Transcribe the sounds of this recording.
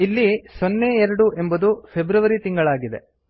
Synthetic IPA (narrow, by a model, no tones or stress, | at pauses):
ilːisɔnːeɛɾɐɽuʔe̞mbɐd̪ufebɾɐʋɐɾit̪iŋɡɐɭaːɡid̪ḛ